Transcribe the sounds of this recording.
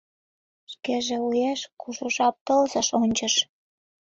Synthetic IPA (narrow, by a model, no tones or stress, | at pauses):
ʃkeʒĕujeʃkuʃuʃɑp̚t̪əlzə̆ʃonʲt͡ɕəʃ